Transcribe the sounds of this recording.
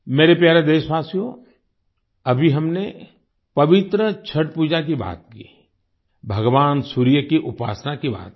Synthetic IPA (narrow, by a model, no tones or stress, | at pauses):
meːɾepjaːɾed̪eːʃbaːsijõ | ɐbʱiɦɐmne | pɐʋɪt̪ɾət͡ʃʰɐʈpuːd͡ʒak̬iba̰ːt̪̚kḭː | bʱɐɡʋaːnsuːɾijəkiʔʊpa̰ːsnakiba̰ːt̪̚